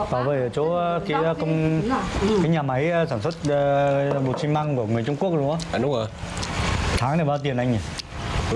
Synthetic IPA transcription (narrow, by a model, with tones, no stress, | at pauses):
t̪aː˧˩veː˧˩jt͡ɕo˨˦˧kaː˨˦jkə˧wŋ͡m | kaː˨˦jɲaː˨˩ma˨˦jsaː˧˩nswə˦˥t̚ːɓo˨˩t̚si˧ŋma˧ŋku˧˩əŋɨ˨˩əjt͡ɕʊ˧ŋ͡mku˥ək̚zʊ˧˦ə˨˧˦ɗʊ˨˦ŋ͡mə˨˩ | t̪ʰaː˨˦ŋna˨˩va˧t̪i˨˩ənʔa˧jŋ̟i˨˩